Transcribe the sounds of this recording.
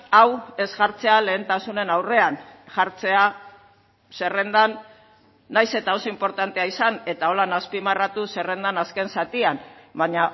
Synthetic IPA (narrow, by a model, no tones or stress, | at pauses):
awe̞zɣaɾt͡se̞ale̞ːnt̪asune̞nawre̞anʝaɾt͡se̞a | se̞re̞nd̪anː | ajse̞t̪ao̞so̞impo̞ɾt̪ant̪e̞aisane̞t̪ao̞lanaspimarat̪use̞re̞nd̪anaske̞nsat̪ianbaɲa